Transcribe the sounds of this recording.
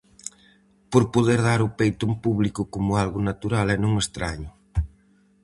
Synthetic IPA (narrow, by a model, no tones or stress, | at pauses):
poɾpoðeɾðaɾʊpejt̪ompuβlikʊkomʊalɣʊnat̪uɾalɛnõŋest̪ɾaɲʊ